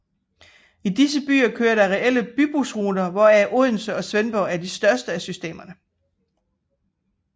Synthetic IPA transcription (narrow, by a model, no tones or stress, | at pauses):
id̥is̬əb̥y̰ːɐkʰøːɐɾ̥ɑ̈ʁɛʔel̰əb̥yb̥usʁuːdɐʋɒæɐʔuðˠn̩səɒ̽sʋenb̥ɒʊæɐd̥isd̥ɶɐsd̥əæsysd̥e̝̰ːmɐnə